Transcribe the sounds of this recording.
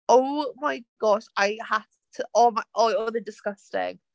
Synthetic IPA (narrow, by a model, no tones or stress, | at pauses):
oʊmaɪɡ̥ɔʃaɪha | tʰəɔmaɪʔɔɔðədɪskəstɪ̰̃ŋ